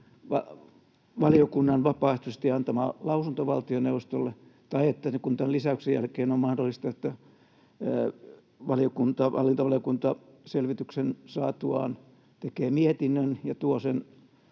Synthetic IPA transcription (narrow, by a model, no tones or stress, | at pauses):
ʋɑ | ʋɑlijokunːɑnʋɑpɑːˑehst̪usest̪iɑnt̪ɑmɑ̰ːlɑusunt̪oʋɑlt̪ioneuʋˑost̪olːet̪ɑiet̪ːæsekunt̪ɑlisæyksejæ̰lkeːnommɑhdolːˑist̪ɑet̪ːæ | ʋɑlijokunt̪ɑʋʔɑ̰lːint̪ɑʋɑliokunt̪ɑ | selʋit̪yksensɑːt̪uɑ̰ːn | t̪ekeːmiet̪inːønjɑt̪uosen